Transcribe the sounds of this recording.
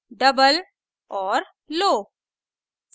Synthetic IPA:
ɖəbəl | ɔːɾ | loː | s

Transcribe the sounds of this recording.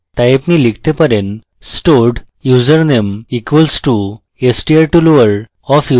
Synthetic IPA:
t̪ajpnilikʰt̪epəɾen | sʈoɖ | jud͡zəɾnemikʋəlsʈu | esʈieɾʈuloʋəɾ | ɔfju

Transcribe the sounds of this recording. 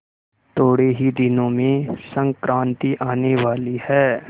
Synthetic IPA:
t̪oːɽeɦid̪ɪnõmẽsɐ̃ŋkɾãːnt̪iʔaːneʋaːlihɛː

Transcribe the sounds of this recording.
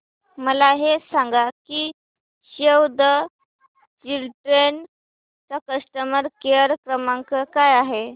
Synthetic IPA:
məlaɦesaŋɡaki | ɕewd̪ə | d͡ʑilʈɾen | t͡ɕakəsʈəməɾkeəɾkɾəmãŋkəkajaɦe

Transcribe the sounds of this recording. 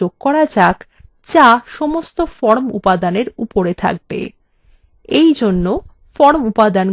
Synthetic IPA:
oɡkɔɾad͡ʑak | t͡ɕaʃɔmost̪ofɔɾmupad̪aneɾupoɾet̪ʰa̰k̚bḛ | ejd͡ʑonːo | fɔɾmupad̪an

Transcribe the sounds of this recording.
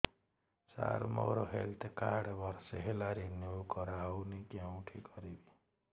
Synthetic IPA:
sa̰ɾmɔ̰ɾɔɦelt̪ʰkaɾɽbɔɾseɦelaɾenjokɔɾawnikjaw̃ʈʰikɔɾibi

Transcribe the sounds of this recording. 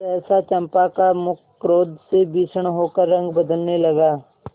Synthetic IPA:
ɛːsat͡ʃɐ̃mpakamʊkːɾoːd̪sebiːt͡ʃʰəɽ̃ɦoːkəɾːɐ̃ŋɡbɐd̪əlnelɐɡaː

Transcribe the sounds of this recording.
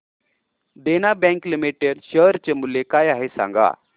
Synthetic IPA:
d̪enabɛ̃ŋklimiʈeɽɕəɾt͡ɕemulːekajaɦesã̰ŋɡa̰

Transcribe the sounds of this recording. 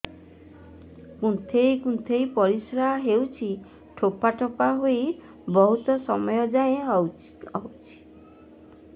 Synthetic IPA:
kũnt̪ʰejkunt̪ʰejpɔɾisɾaɦaɦewt͡ʃʰi | ʈʰopaʈʰopaɦoj | bɔɦut̪ɔsɔmɔjɔd͡ʒaj̃ẽ | ɔwt͡ʃʰi̥

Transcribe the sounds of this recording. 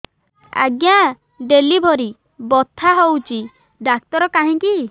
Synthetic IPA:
a̰ɡja | ɖelibʱɔɾi | bɔt̪ʰaɦowt͡ʃi | ɖak̚t̪ɔɾɔkaɦĩki

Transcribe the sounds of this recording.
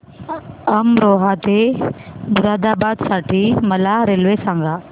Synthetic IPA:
ɐmɾoːɦat̪e | bʊɾaːd̪aːbaːd̪saːʈʰimɐlaɾelʋesãːŋɡaː

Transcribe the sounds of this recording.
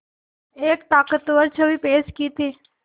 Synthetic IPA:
eːk̚t̪aːkət̪ʋəɾt͡ʃʰəʋiːpeːʃkiːt̪iː

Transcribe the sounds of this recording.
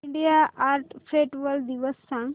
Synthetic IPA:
ɳɖijaʔaːɾʈfɾeʈʋəld̪iʋəsːãŋ

